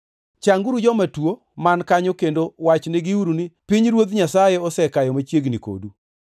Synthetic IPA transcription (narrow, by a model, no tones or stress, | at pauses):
t͡ʃaŋɡuɾud͡ʒɔmatwo | mankaɲɔkendowat͡ʃnɪɡiuɾunipiɲɾwot̪ɲasajɛɔsɛkajɔmat͡ʃjeɡniko̰du